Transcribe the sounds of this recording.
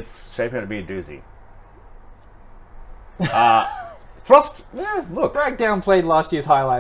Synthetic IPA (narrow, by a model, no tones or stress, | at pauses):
ɨtsʃẽɪpĩnpĩdʉzḭ | ʌ | θɹʌstjælʊk̚b̥ɹæk̚d̥ãʊ̃npʰl̥eɪdˡlæst̚jɪɹz̥ɦaɪlaɪ